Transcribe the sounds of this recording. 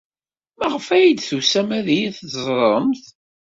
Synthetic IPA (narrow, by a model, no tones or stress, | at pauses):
məʁəfæjid̪θusæmæðijiθəzˤɾˤəmθ